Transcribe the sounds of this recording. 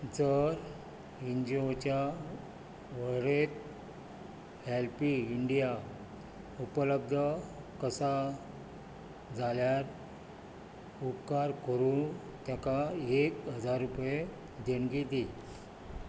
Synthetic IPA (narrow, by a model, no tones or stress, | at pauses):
d͡zəɾ | iɲd͡ʑiot͡ɕja | ʋəɾet̪̚ | helpiiɳɖija | upələb̚d̪ʱə | kəsa | d͡zaljaɾ | upkaɾkəɾũ | t̪jakaekɦəd͡zaɾːupje | d̪eɳɡid̪i